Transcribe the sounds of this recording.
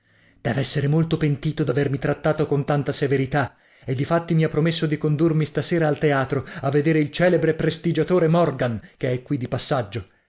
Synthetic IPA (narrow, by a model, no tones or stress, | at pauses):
d̪̥ɛ̰ːvɛsːeɾemolt̪opent̪iːt̪od̪avermit̪ɾat̪ːaːt̪okont̪ant̪aseveɾit̪a | ed̪ːifat̪ːimiapːɾomes̬ːod̪ikond̪urmist̪aseːɾaːlt̪eaːt̪ɾoavːed̪eːɾeilt͡ʃɛːlebɾepɾest̪id͡ʒat̪oːɾemɔrɡankeɛkːwid̪ːipasːad͡ʒːo